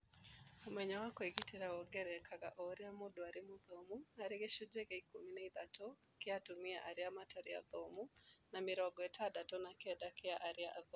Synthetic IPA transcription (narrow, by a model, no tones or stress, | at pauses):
omwɛɲawakɔiɡiteɾaɔɡɛɾɛkʰaka̰ʔɔɾɪamodaɾɪmʊðomuaɾɪkeʃʊd͡ʒekeikominaid̪ato | kɪatumɪaʔaɾɪamataɾɪa̰ðomunamɪɾɔɡɔɛtʰadatɔnakɛdakɪaʔaɾɪaʔaðo